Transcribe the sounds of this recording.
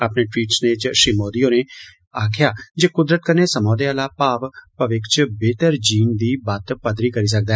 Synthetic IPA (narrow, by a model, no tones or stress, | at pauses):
aːpneːʈwiːʈsneːt͡ʃʃɾiːmoːd̪ijõːneː | aːkʰɪjaːd͡ʒeːkʊd̪ɾət̪̚kəɾneːsəmãːd̪eːaːlaːpaːʋpəʋɪkt͡ʃbeːt̪əɾd͡ʒiːnd̪iːbaːt̪pəd̪ɾiːkəɾiːs̬ək̚d̪aːɛ